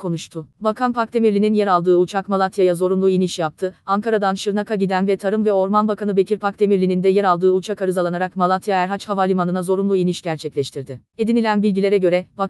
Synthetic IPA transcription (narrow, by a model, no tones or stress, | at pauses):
kʰo̞nuʃt̪ʰʊbakʰanpʰak̚t̪ʰemiɾlʲininjɛɾalˠd̪ɯːut͡ʃʰakmalˠat̪ʰjajazo̞ɾunlˠuiniʃjap̚t̪ʰɯaŋkʰaɾad̪anʃɯɾnakʰaɟid̪ænvɛt̪ʰaɾɯmvɛo̞ɾmanbakʰanɯbe̞cʰiɾpʰak̚t̪ʰe̞miɾlʲinind̪ɛjɛɾalˠd̪ɯːut͡ʃʰakaɾɯzalˠanaɾakmalˠat̪ʰjaæɾɦat͡ʃhavalʲimanɯnazo̞ɾunlˠuiniʃɟ̥æɾt͡ʃʰɛclʲɛʃt̪ʰiɾd̪ɪe̞d̪inilʲænbilʲɟilʲeɾɛɟø̞ɾɛba